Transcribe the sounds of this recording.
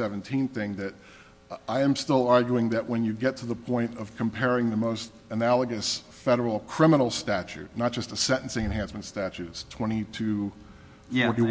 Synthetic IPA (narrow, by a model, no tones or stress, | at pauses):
ɛvn̩tʰĩnθɪ̃ŋðɨɾ | aɪɨ̃mstɪlˠɑɹɡjʉɪ̃ŋðɨʔwʔə̃njɨɡɛtʰəðəpʰɔ̃ɪ̃ntʌv̥kʰə̃m̩pʰɛɹɪ̃ŋðɨmoʊst | ɨnælˠəɡɨs | fɛɾə˞l̩ˠkʰɹ̥ɪ̃mənl̩ˠstæt͡ʃʉ̰tⁿnət̚d̥ʒ̥ʌstɨsɛ̃ɾ̃ʔn̩sɪ̃ŋɨ̃nɦæ̃nsm̃ntstæt͡ʃʉɾɨtstʰw̥ɛ̃ɾ̃itʰʉ | fɔɹɾi